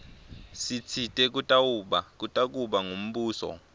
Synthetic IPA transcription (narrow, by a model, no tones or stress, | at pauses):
sit͡sʰitʼɛk̬ʼutʼawuɓak̬ʼutʼak̬ʼuɓaŋom̩ɓuːsɔ̰